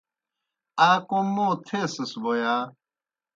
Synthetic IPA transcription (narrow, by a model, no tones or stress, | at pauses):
aːkõmõːt̪ʰeːsɐsboːjaː